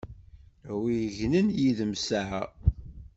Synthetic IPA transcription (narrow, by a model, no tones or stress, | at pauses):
wijəʝnənjiðəmsaʕa